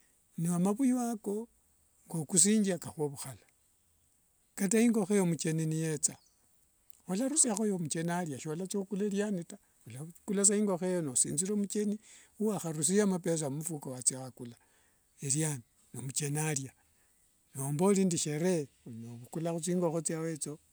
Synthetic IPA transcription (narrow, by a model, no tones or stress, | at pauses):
niamaβujuwako̞ | ŋɡokus̬iːɲd͡ʒiakaxwoβuxala | kataiŋɡo̞xejomut͡ʃe̞ninijet͡sa | olaɾusiaxojomut͡ʃe̞naljaʃolat͡sokuleljanita | olakulas̬aiːŋɡo̞xejonosḭːnziɾomut͡ʃe̞ni | uwaxaɾus̬ijamapes̬amumufukowat͡siaxakula | eljani | nomut͡ʃenalja | noːmbolindiʃeɾenoβukulaxut͡siːŋɡoxot͡siawe̞t͡so